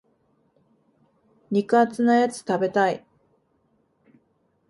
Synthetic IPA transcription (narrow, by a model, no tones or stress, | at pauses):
ɲ̟ikɯ̟at͡sɨnajat͡sɨ̥t̪abe̞t̪ai